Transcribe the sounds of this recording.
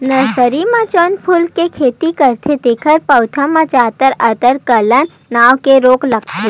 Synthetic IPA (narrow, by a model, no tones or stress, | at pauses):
nɐɾsəɾimãt͡ʃonpʰʊlkekʰeːt̪ikɐɾt̪ʰet̪ikʰəɾpɐʊt̪ʰəmãt͡ʃaːt̪əɾɐt̪əɾkɐlənːaːʋkeɾoːklɐk̚t̪ʰe